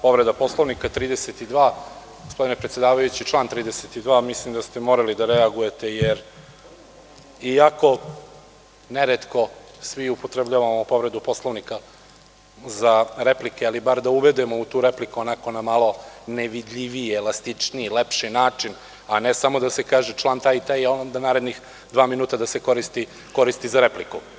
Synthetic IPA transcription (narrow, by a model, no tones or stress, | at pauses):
po̞ʋɾed̪apo̞slˠoʋnikat̪ɾiːd̪eset̪id̪ʋaː | ɡospod̪inepɾet̪sed̪aːʋajut͡ɕit͡ʂlˠaːnt̪ɾiːd̪eset̪id̪ʋaːmislimd̪ast̪e̞moɾalid̪aɾeaɡuje̞t̪e̞jeɾ | iako̞ | neɾet̪ko̞ | sʋiupot̪ɾe̞bʎaʋamopo̞ʋɾe̞d̪upo̞slˠoʋnika | zaɾe̞plikealibaɾd̪auʋe̞d̪ujemo̞ut̪uːɾe̞plikuonako̞namalˠo̞neʋid̪ʎiʋielˠast̪it͡ʂnilepʃinaːt͡ʂin | ane̞samo̞d̪asekaːʒet͡ʃlˠaːnt̪aːjt̪ajod̪anaːɾed̪nix | d̪ʋaːminuːt̪ad̪asekoɾist̪i | ko̞ɾist̪izaɾe̞pliku